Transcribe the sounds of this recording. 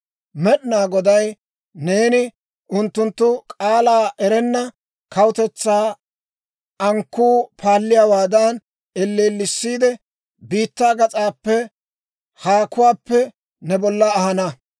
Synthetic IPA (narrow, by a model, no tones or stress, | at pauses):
mɛɗnaːɡɔd̪ɐj | ne̞ːnɪ | ʔʊnt̪ːʊnt̪ːʊkʼaːlaːʔɛɾɛnːɐ | kɐwʊt̪ɛt͡sːaː | ɐŋkːuːpʰaːlːɪjawaːd̪ɐn | ɛlːeːlːɪsːiːd̪ɛ | biːt̪ːaːɡɐt͡sʼaːpːɛ | haːkʊwaːpːɛ | nɛbɔlːɐːhɐnɐ